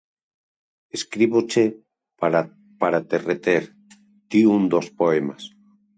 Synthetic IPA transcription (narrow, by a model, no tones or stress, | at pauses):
eskɾiβot͡ʃe | aɾ | paɾat̪eret̪eɾ | d̪̥iund̪ospoemas